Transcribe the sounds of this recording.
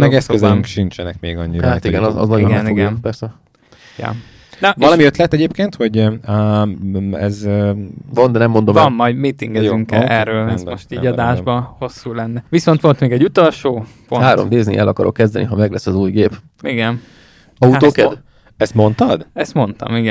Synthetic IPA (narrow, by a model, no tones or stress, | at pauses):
mɛɡɛsøzɛiŋkʃint͡ʃɛnɛkmeːɡɒɲːiɾat̪iɡɛnzɒ̰znɒɟonɛnioɡnpɛrsɛ | jɒ̰ | nɒvɒlɒmiøt̪lɛt̪ɛɟeːpkeːnt̪ho̞ɟ | ɛ̰z | vond̪ɛnɛmːo̞nd̪omɒmːɒjd̪mit̪iŋɡɛyŋkɛʔɛrːøːlɛsmo̞ʃt̪iːɟɒd̪aːʒbɒho̞sːuːlɛnːɛʋiso̞nt̪ʋo̞lt̪meːɡɛɟut̪olʃoː | ponaːɾomd̪eːznḭʔɛlʔɒkɒɾʔo̞̰kːɛzd̪ɛniɦɒmɛɡlɛsːɒzuːjɡeːp | iɡɛn | ɒuoːkɛd̪ | ɛst̪mo̞nt̪ɒd̪ɛst̪mo̞nt̪ɒ̰miɡɛ